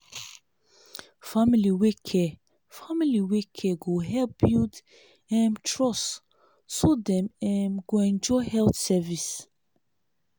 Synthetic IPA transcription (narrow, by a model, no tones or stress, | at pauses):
familiwekʰːɛ | familiwekʰɛɡuɦɛlbjud̪ | ɛ̃mtʰɹɔs | sɔd̪ɛmɛmɡ̥wɛ̃nd͡ʒɔhɛlt̪sɛvis